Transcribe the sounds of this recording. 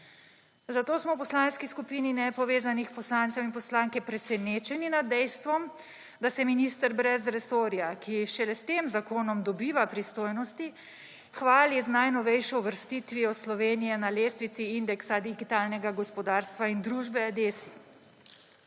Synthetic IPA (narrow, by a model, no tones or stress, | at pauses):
zat̪oːsmɔwpɔslaːnskiskupiːninɛpɔʋeːzanixpɔslaːnt̪sɛminpɔslaːŋkɛpɾɛsɛneːt͡ʃɛninad̪ːɛjst̪ʋɔm | d̪asɛminist̪əɾbɾɛzɾɛsoːɾjakiʃɛlɛst̪eːmzakoːnɔmd̪ɔbiːʋapɾist̪oːjnɔst̪i | xʋaːliznajnɔʋɛjʃɔuʋəɾst̪it̪ʋiɔslɔʋeːnijɛnaleːst̪ʋit̪siind̪ɛksad̪iɡit̪aːlnɛɡaɡɔspɔd̪aːɾst̪ʋaind̪ɾuʒbɛad̪esi̥